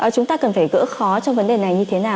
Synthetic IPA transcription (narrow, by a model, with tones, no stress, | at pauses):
ʔəː˨˩t͡ɕʊ˨˦ŋ͡mt̪aː˧kə˨˩nfaː˧˩jɣɨ̰˧˥xɔ˨˦t͡ɕɔ˧ŋ͡mvə˨˦nɗe˨˩na˨˩jɲɨ˧t̪ʰe˨˦naː˨˩w